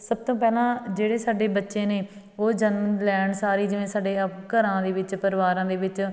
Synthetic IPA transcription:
səb̚t̪õːpɛːlãːd͡ʒeːɽeːsaːɖeːbətːʃẽːneː | oːd͡ʒənməlɛːɳsaːɾiːd͡ʒɪʋẽːsaːɖeːkəɾãːd̪eːʋɪt͡ʃpəɾɪʋaːɾãːd̪eːʋɪt͡ʃ

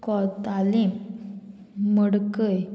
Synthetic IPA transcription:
kɔt̪alim | məɽkəj

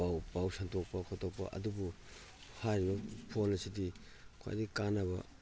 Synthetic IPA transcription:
pawpawsɐntʰok̚pɐkʰotok̚pɐ̰ʔɐ̰dubu | haɾibɐpʰolɐsidi | kʰo̰j̰dikanɐβɐ̰

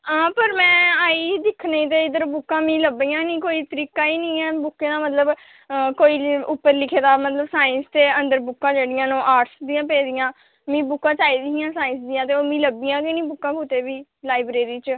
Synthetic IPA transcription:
aːpəɾmɛ̃ːaːiːd̪ɪkʰːneiːt̪̬eːɪd̪əɾbʊkːãːmĩːləbiːãːnĩːkoːiːt̪əɾiːkaːiːnĩːɛːbʊkːẽːd̪aːmət̪ləb | koːiːʊpːəɾlɪkʰeːd̪aːmət̪ləbsaːɪ̃nst̪eːənd̪əɾbʊkːãːd͡ʒeːɽɪjãːnõːʔaːʈsd̪ijãːpɛːd̪ɪjãː | mĩːbʊkːãːt͡ʃaːiːd̪ijãːsaːɪ̃nsd̪ijãːt̪eːoːmĩːləbiːãːkɪnĩːbʊkːãːkʊt̪eːʋiːlaːibɾeːɾiːt͡ʃ

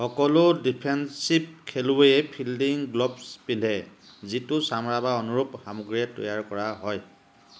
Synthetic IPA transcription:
xɔkɔlʊdipʰɛnsib̚kʰelueɛpʰildiŋɡlɔbspindʱɛ | zitʊsamɹabaɔnuɹupxamɔɡɹiɛtɔ̰jaɹkɔɹaɦɔj

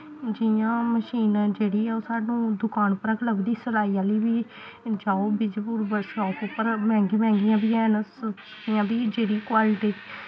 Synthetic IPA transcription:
d͡ʒijãːməʃiːnd͡ʒeːɽiːɛːosaːnũːd̪ʊkaːnpəɾəɡləbd̪iːsəlaːiːaːliːʋiː | d͡ʒaːoːbɪd͡ʒpuːɾbəɾʃɔːkopəɾmɛ̃ːŋɡeːmɛ̃ːŋɡɪjãːbiːɛːnəsəskɪjãːbiːd͡ʒeːɽiːkwaːlɪʈiː

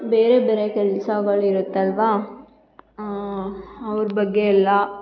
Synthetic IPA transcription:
beːɾebɛɾekɐɭːsaːɡɐɭɪɾɯt̪ːɐlʋaː | ɐʋɐɾbɐɡːeɛlːãː

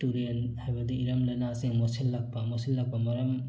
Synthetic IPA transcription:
tuɾienhajbɐdiːɾɐmlɐjnasiŋmɔsilːak̚bamɔsilːak̚bɐmɐɾɐm

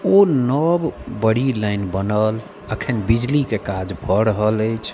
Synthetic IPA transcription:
onəbbəɽ̤iləɪnbənəl | əkʰənbid͡ʒlikekad͡ʒbʱəɾəɦələjt͡ʃʰ

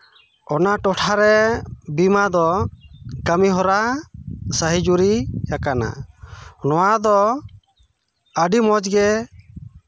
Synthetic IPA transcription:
ɔnaʈɔʈʰaɾɛbimad̪ɔ | kəmiɦɔɾa | səɦid͡ʒuɾijakana̰ | nɔwad̪ɔ | əɖimɔd͡ʒɡɛ

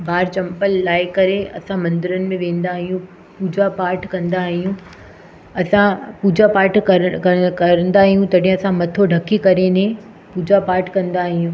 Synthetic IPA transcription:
bʱaːɾt͡ɕɐ̃mpəlːaːɪkɐɾeɐ̰sãmɐ̃nd̪ɪɾənɪ̆mẽʋẽːn̆d̪aːɦijũ | puːd͡ʑapaːɾʈʰkɐ̃nd̪aːɦijũ | ɐsãpuːd͡ʑapaːɾʈʰkɐkɐkɐɾə̃nd̪aːɦijũt̪ɐɗɦɪ̃ɐsãmɐt̪ʰoɖʱɐkʰikɐɾenẽ | puːd͡ʑapaːɾʈʰkɐ̃nd̪aːɦijũ

